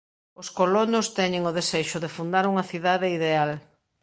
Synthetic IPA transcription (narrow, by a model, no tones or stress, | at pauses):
oskolonost̪ɛɲɪŋʊðeseʃʊðefund̪aɾuŋɐθiðaðeiðeal